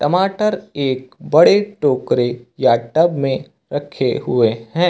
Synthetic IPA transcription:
ʈɐmaːʈəɾeːkbɐɽeʈoːkɾejaʈɐbmẽ | ɾɐkʰeɦʊeɦɛ̃ː

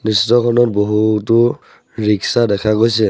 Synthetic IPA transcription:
nistɔkʰɔnɔt̚boɦutʊ | ɹiksadɛkʰaɡojsɛ

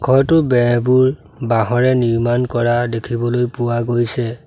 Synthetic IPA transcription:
kʰɔɹtʊbɛbuɹ | baɦɔɹɛniɹmankɔɹadekʰibɔlojpʊwaɡojsɛ

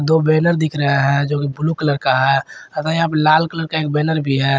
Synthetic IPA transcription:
d̪oːbɛːnəɾd̪ɪkʰɾəɦeɦɛd͡ʒoːkibʊlukələɾkaɦɛət̪aap̬laːlkələɾkaeːk̚bɛːnəɾbʱiɦɛ

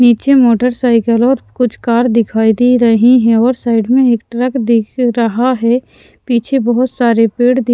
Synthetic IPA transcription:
niːt͡ʃemoːʈəɾsaːɪkəlɔːɾkʊt͡ʃʰkaːɾd̪ɪkʰaːid̪iɾɐɦiɦɛ̃ɔːɾsaːɪɖmẽeːkʈɾəkd̪ɪkɾɐɦaɦɛ | piːt͡ʃʰebəɦʊt̪saːɾepeːɽd̪ɪ

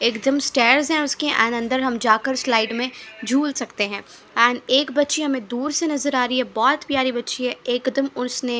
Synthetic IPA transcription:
eːkd̪əmsʈeːɾzɦɛ̃ʊskeʔɛ̰̃ːnɐ̃nd̪əɾɦɐmd͡ʒaːkəɾslaːɪɖmẽd͡ʒʱuːlsɐkt̪eɦɛ̃ː | ɛ̃ːneːkbɐtːʃiɦɐmẽd̪uːɾsenɐzəɾaːɾiɦɛbɔːt̪pjaːɾibɐtːʃiɦɛeːkd̪əmʊsne

